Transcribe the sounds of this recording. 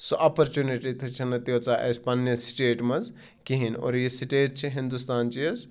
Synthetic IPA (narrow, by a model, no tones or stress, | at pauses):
soʔɐpɐɾt͡ʃuniʈit̪ʰɐt͡ʃʰɐnɐt̪iot͡saʔɐ̰spɐnjesi̥ʈeːʈmɐz | kiɦino̰ːɾjisiʈeːʈ̚t͡ʃʰiɦĩnd̪ust̪aːnt͡ʃiɐz